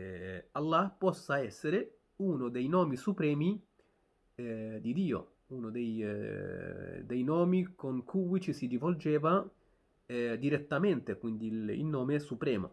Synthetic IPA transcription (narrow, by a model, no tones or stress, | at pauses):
alːapɔsːaɛsːeɾe | unod̪ejnɔːmisupɾɛːmi | d̪id̪iːo̰ | unod̪ej | d̪ejnɔːmikoŋkʰuːit͡ʃisid̪ivold͡ʒɛːva | d̪iɾet̪ːamɛnt̪ekwind̪iḭlnɔːmesupɾɛːmo̰